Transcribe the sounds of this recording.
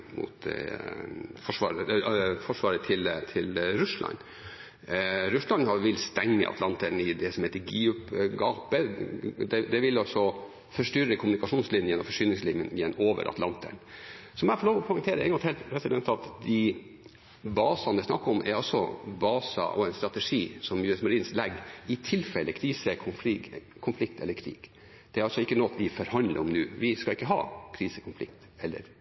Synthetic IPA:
mʊ̰t̪ | fɔʂʋɑ̰ːɾəfɔʂʋɑːɾət̪ʰɪlt̪ʰɪlɾʉʂlɑ̰n | ɾʉʂlɑnhɑʋɪlst̪ɛŋːə̰ʔɑ̰t̪lɑnt̪əɳɪd̪ɛsɔmheːt̪əɡiːʉpɡɑːpəd̪ɛd̪ɛʋɪlːɑsɔ | fœʂʈʏɾːəkʰʊmnɪkɑʂuːnslɪnjəjɛnːɔmfɔʂyːnɪŋslinjənjɛnːoːʋə̰ɾʔɑ̰t̪lɑ̰nt̪ə̰ɳsɔmæfɔɭoːʋɔpʰʊŋt̪ʰeːɾəɛ̰ɡɔnt̪hɛːlt̪pʰɾɛsɪd̪ɛnt̪ɑt̪d̪ɪ | bɑːsɑnd̪ɪsnɑkːəɔmʔɛ̰ɾɑlsɔ̰bɑːsɑ̰ʔɔɛnst̪ɾɑt̪ɛʂiːsɔmjʉːɛsmɑɾiːnslɛɡɪt̪ʰɪlfɛlːəkʰɾiːsəkʰʊf | kʰʊnflɪkt̪ʰɛlːəɾkʰɾḭːɡ̥ | d̪̥ɛæɾɑlsɔɪkːənɔt̪ʋɪfɔɾhɑnd̪lə̰ɾɔmnʉ̰ːʋɪskɑɪkːəɦɑ̰ːkʰɾiːsəkʰʊnflɪ̰kt̪ɛlːə̰ɾ

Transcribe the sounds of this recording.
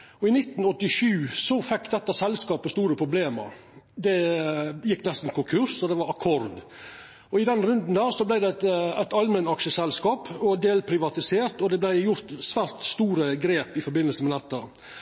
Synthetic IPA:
ɔɪnɪt̪ːnɔt̪ːɪʂʉːsɔfɛkːd̪ɛt̪ːəsɛlskɑːpəst̪uːɾəpʰɾʊbleːmə̰ɾ | d̪ɛjɪkːnɛst̪n̩kʰʊŋkʰʉɾsɔd̪ɛʋɑɾɑkʰɔɾd̪ | ɔɪd̪ɛnɾʉnd̪n̩d̪æːɾsɔblæɪd̪ɛt̪æɪt̪ɑlmənɑkʃəsɛlskɑːpɔd̪eːlpʰɾɪʋɑt̪ɪseːɾt̪ɔd̪ɛblæɪjʊɾt̪sʋæːɾt̪st̪uːɾəɡɾeːpɪfɔɾbɪnəlsəmɛd̪ɛt̪ːə

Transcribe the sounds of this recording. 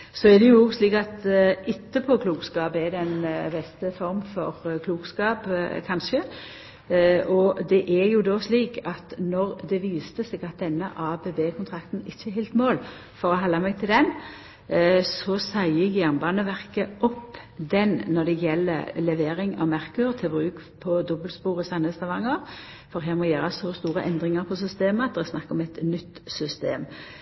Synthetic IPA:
sɔæɾd̪ɛjʊɡsliːkɑt̪ɪt̪ːəpʰɔkʰluːkskɑːbɛd̪ɛnbɛst̪əfɔɾmfɔʁkʰluːkskɑːpkʰɑnʃə | ɔd̪ɛʔæɾjʊd̪ɔsliːkɑt̪nɔʁd̪ɛʋiːst̪əsɛːɡɑt̪̚d̪ɛnːəʔɑːbeːbeːkʰʊnt̪ʰʁɑkt̪n̩ɪçːəhɛːlt̪moːl | fɔɾɔɦɑlːɑmɛɡ̚t̪ʰɪld̪ɛn | sɔsæɪəɡjæʁnbɑːnəʋæʁkəʔɔpː | d̪ɛnːɔʁd̪ɛjɛlːə̰lɛʋeːʁɪŋɑ̰ʋmæʁkʉʁt̪ʰɪlbʁʉːk | pʰɔd̪ɔbəlspuːʁəsɑnhəst̪ɑʋɑŋːəʁ | fɔɾɦæːʁmɔjæːʁəsɔst̪uːʁəʔɛnd̪ʁɪŋəɾpʰɔs̬ʏst̪eːməɑt̪̚d̪ɛɛsnɑkːɔmɛt̪nʏt̪ːsʏst̪eːm

